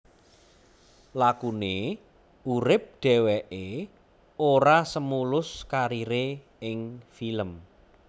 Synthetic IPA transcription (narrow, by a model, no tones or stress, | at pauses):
lakune | uɾɪp̚ɖ̥ɛ̤wɛʔe | oɾasəmulʊskaɾiɾe | ɪŋfiləm